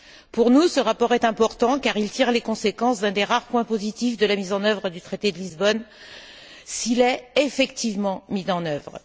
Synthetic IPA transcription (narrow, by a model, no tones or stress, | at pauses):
puʁnusəʁapɔʁɛt̪ɛ̃pɔʁt̪ɑ̃kaʁilt̪iʁlekɔ̃sekɑ̃sd̪ɛ̃d̪eʁaʁpwɛ̃pozit̪ifd̪əlamizɑ̃nœvʁəd̪yt̪χet̪ed̪əlizbɔn | silɛefɛkt̪ivmɑ̃mizɑ̃nœvʁ